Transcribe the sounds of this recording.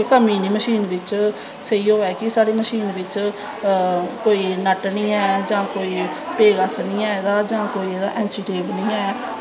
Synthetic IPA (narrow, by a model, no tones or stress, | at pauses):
kəmiːniːməʃiːnʋɪt͡ʃ | səiːoːɛːkɪsaːɽeːməʃiːnʋɪt͡ʃ | koːiːnəʈnĩːɛːd͡ʒãːkoːiːpeːɡəsnĩːɛːd̪aːd͡ʒãːkoːiːed̪a̰ːʔɛ̃ːnsiːʈeːbnĩːɛː